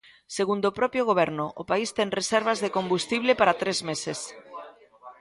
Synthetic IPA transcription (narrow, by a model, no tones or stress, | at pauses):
seɣund̪opɾɔpjoɣoβ̞ɛɾnʊʔopaist̪ɛŋresɛɾβ̞azðekombust̪iβlepaɾat̪ɾezmeses